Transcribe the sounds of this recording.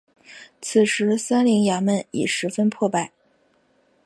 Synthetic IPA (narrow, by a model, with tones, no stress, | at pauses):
t͡s̩ʰ˨˩ʂɻ̩˧˥sa˥nli˧˥ŋja˧˥mə˥˩nḭ˨˩ʂɻ̩˧˥fə˥npʰwɔ˥˧pa˥˩ɪ